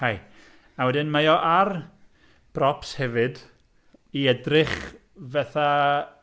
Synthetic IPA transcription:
haj | awɛdɪnmajɔʔar | b̥rɔpshɛvɨd | iɛdrɪχ | vɛθa

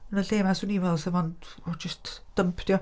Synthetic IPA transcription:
ənəɬeːmasuniːvɛlˠsɛvɔndɔd͡ʒɪstd̥əmpʰd̥jɔ

